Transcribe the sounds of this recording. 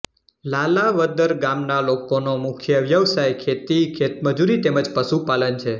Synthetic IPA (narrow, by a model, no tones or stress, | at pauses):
lalaʋəd̪əɾɡamnalokonomukʰjəʋjəʋsajkʰet̪ikʰet̪məd͡ʒuɾit̪eməd͡ʒpəsupalənt͡ʃʰe